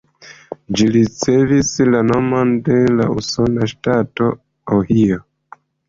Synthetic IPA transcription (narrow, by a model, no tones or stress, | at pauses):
d͡ʒiɾit͡se̞vislano̞monde̞la̰uso̞naʃtato̞ | ohio